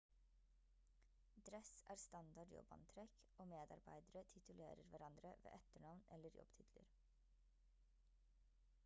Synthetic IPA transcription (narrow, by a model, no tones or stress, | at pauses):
d̪ɾɛsæːɾst̪ɑnd̪ɑɖjɔ̰bɑ̰nt̪ʰɾɛk | oːmeːd̪ɑ̰ɾbæɪd̪əɾət̪ʰɪt̪ʉlḛːɾəɾʋæɾɑnd̪ɾəʋḛːʔɛt̪əɳɑʋnɛləɾjɔ̰b̥t̪ʰɪt̪ʰlə̰ɾ